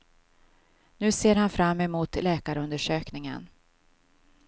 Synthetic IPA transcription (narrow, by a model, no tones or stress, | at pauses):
nʉ̟ːseːɾhanfɾamːɛmuːt̪lɛːkaɾəɵnd̪əʂøːknɪŋə̰n